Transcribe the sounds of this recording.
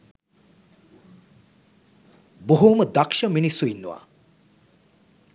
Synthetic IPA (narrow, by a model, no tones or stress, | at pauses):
boɦuməd̪akʃəminisːuinːṵʋa̰